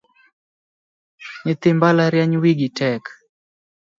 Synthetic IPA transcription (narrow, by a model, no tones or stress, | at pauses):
ɲɪt̪ɪmbalaɾjaɲwiɡitʰɛk